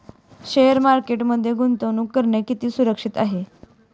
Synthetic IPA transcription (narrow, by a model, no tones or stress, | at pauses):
ɕejəɾmaɾkeʈməd̪ʱːjeɡunt̪ənuːkəɾɳekit̪iːsuɾəkʂit̪aɦe